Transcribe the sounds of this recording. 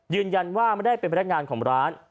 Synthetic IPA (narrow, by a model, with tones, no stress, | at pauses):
jɯː˧nja˧nwaː˥˩ma˥˩jda˥˩jpe˧npʰn̚˦˥ŋaː˧nkʰɔː˩˦ŋɾaː˦˥n